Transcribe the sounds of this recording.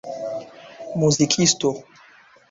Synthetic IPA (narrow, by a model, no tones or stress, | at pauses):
muzikʰisto